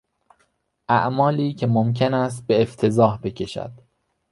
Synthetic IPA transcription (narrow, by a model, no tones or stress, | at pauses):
ʔæʔmɒːliːcʰe̞momcʰenæs̬t̪̚be̞ːft̪ʰe̞zɒːhbe̞cʰe̞ʃæ̰d̪̥